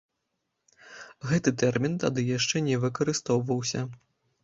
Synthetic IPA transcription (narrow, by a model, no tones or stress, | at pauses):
ɣɛt̪ɨt̪ɛrmʲint̪ad̪ɨjaʂt͡ʂɛnʲɛvɨkɐɾɨst̪ɔwvɐwsʲɐ